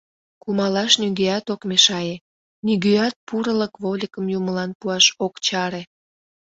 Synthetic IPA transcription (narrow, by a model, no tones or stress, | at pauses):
kumɑlɑʃnyɡeɑt̪okmeʃɑje | niɣyɑt̪̚puɾələkβolʲikəmjuməlɑnpuɑʃokt͡ɕɑɾe